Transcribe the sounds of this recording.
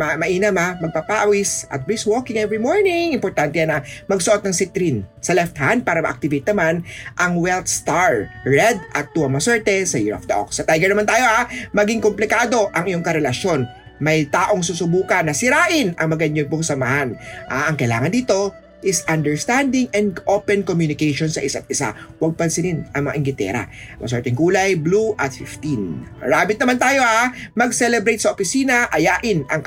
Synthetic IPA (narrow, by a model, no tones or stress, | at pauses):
mɐmɐʔiːnɐmamɐɡ̚papaʔɐwɪsɐ̰t̪̚biswokɪŋɛvɹimoɹnɪŋɪmpoɹt̪ant̪ɛjanɐmɐɡ̚soʔot̪̚nɐŋsɪt̪ɾinsɐlɛft̪hand̪̚paːɾɐmɐ̰ʔɐk̚t̪ɪvejt̪̚nɐmanʔɐŋwɛlt̪̚st̪aɹɹɛd̪ʔɐt̪ːuːɐŋmɐsɛɹt̪ɛsɐjɪ̰ɹɐ̰fd̪ɐʔo̰ksɐt̪ajɡɛɹnɐmant̪aːjo̞ʔamɐɡiŋkomplɪkaːd̪o̞ʔɐŋɪjoŋkɐɾɛlɐʃjo̞n | mɐjt̪aːʔo̞ŋsuːsʊbuːkɐnːɐsɪɾaːʔɪnʔɐ̰ŋmɐɡɐɲːon̚p̬ʊŋsɐmɐhanʔaʔɐŋkɐjla̰ːŋɐnd̪iːt̪o̞ | ʔɪsʔɐnd̪ɛɹst̪and̪ɪŋʔɛnd̪̚ʔopɛnkomjunɪkɛjʃonsɐʔɪsat̪̚ɪsa̰wɐɡ̚pɐnsɪnɪnʔɐŋmɐŋa̰ʔɪŋɡɪt̪ɛ̰ɾɐ̰mɐ̰sɛɹt̪ɪŋkuːlɐjbluʔɐt̪̚fɪft̪inɹaːbɪt̪̚nɐmant̪aːjo̞ʔamɐɡsɛlɛbɾejt̪̚sɐʔopɪsiːnɐʔɐjaːʔɪnʔɐŋ